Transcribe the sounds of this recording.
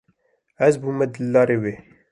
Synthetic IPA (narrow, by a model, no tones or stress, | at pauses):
ɛzbuːmɛd̪ɨlːɑːɾeːweː